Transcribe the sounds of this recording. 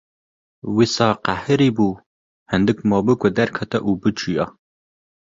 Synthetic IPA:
wisɑːqahɨɾiːbuː | hɛnd̪ɨkʷmɑːbɨkʷʼɐd̪ærkʰɐt̪ʰɐʔubɨt͡ʃʼijɑ

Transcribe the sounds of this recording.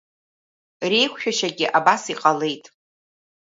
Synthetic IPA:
re̞jkʷʰʃᶣaʃaɡʲɪʔabasiqʼale̞jtʼ

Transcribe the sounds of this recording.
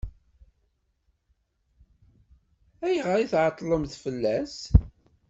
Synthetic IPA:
æjʁəɾiθʕɑt̪ˤːlˤəmθfəlːæs

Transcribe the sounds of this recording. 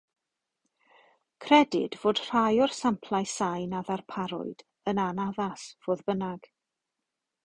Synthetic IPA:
kʰrɛdɪd̥voːd̥r̥ajɔrsampʰlˠajsajnaðarpʰaɾʊ̰ɨd̥ | ənanaðasv̥oːðbənaɡ̥

